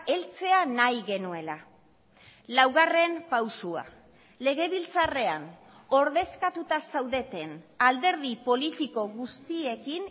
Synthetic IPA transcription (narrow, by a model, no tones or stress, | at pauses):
e̞lt͡se̞anajɣe̞nue̞la | lawɣare̞mpawsua̰ | le̞ɣe̞βilt͡sare̞an | o̞ɾðe̞skat̪ut̪asawðe̞t̪e̞nald̪e̞ɾðipo̞lit̪iko̞ɣust̪ie̞kin